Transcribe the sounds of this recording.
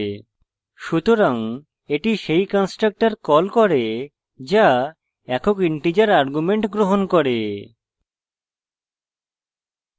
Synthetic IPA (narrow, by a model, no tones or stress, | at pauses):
ʃut̪oɾaŋ | eʈiʃejkɔnsʈɾak̚ʈaɾkɔlkɔɾe | d͡ʒa | ɛkʰokiɳʈid͡ʑaɾaɾɡumeɳʈɡɾoɦonkɔɾe